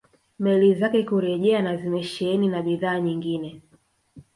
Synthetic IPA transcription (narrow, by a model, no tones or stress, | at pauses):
mɛlizakɛkuɾɛʄɛanazimɛʃɛɛninaɓiðaːɲiŋɡinɛ